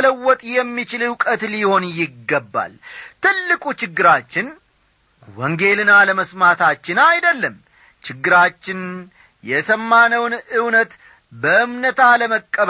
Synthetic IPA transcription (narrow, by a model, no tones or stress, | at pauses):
ləwːɔt̪ʼjɛmːit͡ʃɪlɨwkʼət̪liho̞njɪɡːəbːa̰lt̪ɨlːɨkʼut͡ʃɪɡːɨɾat͡ʃːɪn | wɔŋɡe̞lɨnaləməsmat̪ʰat͡ʃːɪnajd̪əlːəm | t͡ʃɪɡːɨɾat͡ʃːɪn | jɛsəmːanəwnɨwnət̪ | bəʔɨmnət̪ʰaləməkʼːəβ